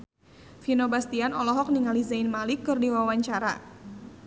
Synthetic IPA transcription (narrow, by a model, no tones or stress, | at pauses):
finobast̪ianɔlɔɦɔk̚niŋalizainmalɪkːɨrdiwawaɲt͡ʃaɾa̰